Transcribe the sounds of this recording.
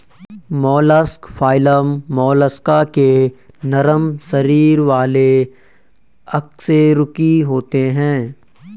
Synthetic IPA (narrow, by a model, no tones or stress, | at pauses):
mɔːləskfʰaːɪləmːɔːləskake | nɐɾəmsɐɾiːɾʋaːle | ɐkseɾʊkiɦoːt̪eɦɛ̃ː